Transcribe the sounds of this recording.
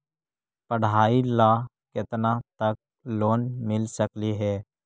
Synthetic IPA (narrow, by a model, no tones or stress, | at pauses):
pəɽ̤aːilaː | kɪt̪nat̪ək̚ | loːnmɪlsəkliɦɛː